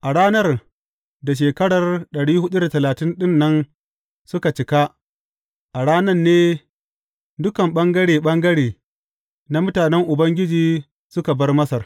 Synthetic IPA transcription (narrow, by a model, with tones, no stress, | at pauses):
ʔa˨ɽaː˦nɐ˦r | da˨ʃ̬eː˨kɐ˦ɽɐ˨rɗɐ˨ɽiː˦hʊ˦ɗu˦da˨tɐ˨laː˨tɪ˦nɗɪ˦nːɐ˦n | sʊ˦ka˨t͡ʃɪ˨ka˦ | ʔa˨ɽaː˦nɐ˦rneː˦ | dʊ˦kɐ˨mɓɐ˦ŋɡɐ˦ɽeː˨ɓɐ˦ŋɡɐ˦ɽeː˨ | na˦mʊ˦taː˨nɛ˦ŋʔʊ˨bɐ˦ŋɡʲɪ˦d͡ʒiː˨ | sʊ˦ka˨bɐ˦rmɐ˦sɐ˨r